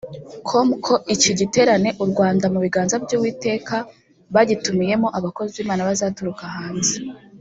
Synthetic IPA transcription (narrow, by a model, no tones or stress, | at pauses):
kʰomkʰo̞ʔiciɟite̞ːɾane̞ʔuɾɡwaːndamuβiɡaːnzabjuwiːte̞ːka | βaɟitumije̞mo̞ʔaβako̞ziwiːmaːnaβazaːtuɾukahaːnze